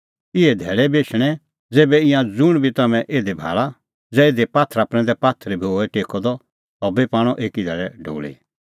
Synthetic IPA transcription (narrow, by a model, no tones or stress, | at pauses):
ɪɛd̪ʱɛːɭɛbeːʃʰɽ̃ɛ | d͡zeːbɛɪ̃jãd͡zʊɽ̃bʱit̪ɐmɛ̃ʔeːd̪ebʱa̰ːɭa | d͡zɛeːd̪epaːt̪ʰɾapɾɛ̃nd̪ɛpaːt̪ʰɾɛbʱioːɛʈeːkɔd̪ɔ | ɔbepaːɽ̃ɔʔeːkid̪ʱɛːɭɛɖʱo̰ːɭḭ